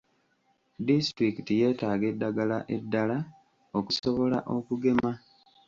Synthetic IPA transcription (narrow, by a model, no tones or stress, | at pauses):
distɾikitije̞ːtaːɡe̞dːaɡalaʔe̞dːala | o̞kuso̞βo̞la̰ʔo̞kuɡe̞ma